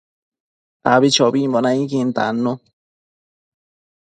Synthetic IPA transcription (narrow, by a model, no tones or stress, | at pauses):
aβit͡ʃoβimbonãĩkint̪a̰nũ